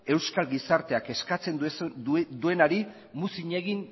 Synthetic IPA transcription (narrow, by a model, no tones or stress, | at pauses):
e̞wskalɣisaɾt̪e̞ake̞skat͡se̞nd̪ | d̪ue̞naɾi | musiɲe̞ɣin